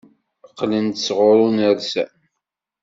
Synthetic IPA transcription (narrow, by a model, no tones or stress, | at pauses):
əqːlənt̪sʁʊɾˤʊnəɾsæ̰n